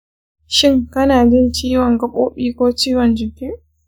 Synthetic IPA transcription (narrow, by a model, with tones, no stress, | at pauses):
ʃɪ˦ŋkɐ˦naː˨d͡ʒɪ˦nt͡ʃiː˦wɔ˨ŋɡɐ˦kʷʼo̰ː˦ɓiː˦kʷoː˦t͡ʃiː˦wɔ˨nd͡ʒɪ˨kʲi˦ʔ